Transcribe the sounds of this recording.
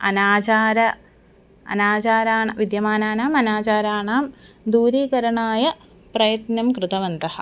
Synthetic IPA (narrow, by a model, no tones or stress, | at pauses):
ɐ̰naːt͡ɕaːɾɐ | ɐ̰naːt͡ɕaːɾaːɳɐʋid̪jɐmaːnaːnaːmɐnaːt͡ɕaːɾaːɳaːm | d̪uːɾiːkɐɾɐɳaːjɐ | prɐjɐt̪nɐmkrɨt̪ɐʋɐnd̪ɐhɐ̰̆